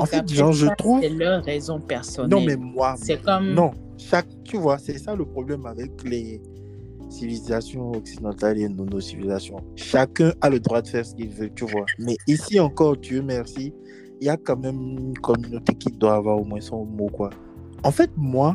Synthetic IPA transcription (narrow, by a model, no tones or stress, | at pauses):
ɑ̃fɛt̪ʒɑ̃ʒət̪χuvɛlʁʁɛzɔ̃pɛʁsɔnnɔ̃lmɛmwaɛkɔmnɔ̃ | ʃak̚t̪yvwasɛsaləpχɔblɛmavɛklɛ | sivilizasjɔ̃ɔksid̪ɑ̃t̪alenonosivilizasjɔ̃ʃakɛ̃aləd̪ʁwad̪əfɛʁsə̥kilvøt̪yvwamɛisiɑ̃kɔʁt̪yømɛʁsi | iljakɑ̃mɛmynkɔmynot̪ekid̪waːvwaʁomwɛ̃sɔ̃mokwa | ɑ̃fɛt̪̚mwa